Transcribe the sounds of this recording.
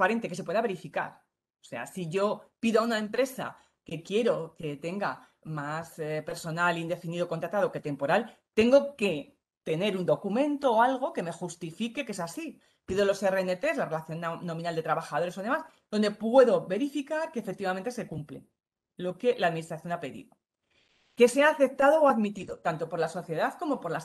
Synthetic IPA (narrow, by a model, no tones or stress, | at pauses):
paɾe̞nt̪eke̞se̞pweðaβe̞ɾifika̰ɾ | o̥se̞̰a̰siʝo̞piðoaunae̞mpɾe̞sa̰ | ke̞kje̞ɾo̞ket̪e̞ŋɡa | maspe̞ɾso̞nalind̪e̞finiðoko̞nt̪ɾat̪aðo̞ke̞t̪e̞mpo̞ɾal | t̪e̞ŋɡo̞ke̞ | t̪e̞ne̞ɾund̪o̞kumẽ̞nt̪oːalɣ̞o̞ke̞me̞xust̪ifikekee̞sasi | piðolo̞sereenet̪e̞slare̞laθjo̞nnːo̞minald̪e̞t̪ɾaβaxaðo̞ɾe̞soð̞e̞masd̪o̞nd̪e̞pwe̞ðo̞βe̞ɾifikaɾkeːfek̚t̪iβament̪e̞se̞kumplḛ | lo̞ke̞laːðminist̪ɾaθjo̞nape̞ðḭðo | ke̞se̞aːθe̞p̚t̪aðo̞ːaðmit̪iðo̞t̪ant̪o̞poɾlaso̞θje̞ðaðko̞mo̞po̞ɾlas